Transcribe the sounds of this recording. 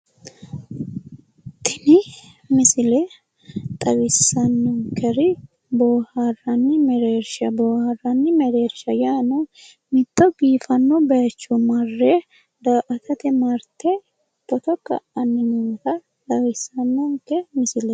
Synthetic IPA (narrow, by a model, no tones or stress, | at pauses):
t̪ʰɪnɪ | mɪsɪlɛ | t̪ʼɐɣɪsːɐnːɔŋkʰɛɾɪ | boːharːɐnːɪmɛɾeːɾʃɐboːhɐrɐnːɪmɛɾeːɾʃɐjaːnɔ | mɪt̪ːɔɡiːfɐnːɔbɐt͡ʃːɔmɐrːe | d̪aːʔɐt̪ʰɐt̪ɛmɐɾt̪ɛ | t̪ːɔt̪ɔkɐ̰ʔɐnːɪnɪtɐ | t̪ʼɐɣɪsːɐnːɔŋkːɛmɪsɪlɛ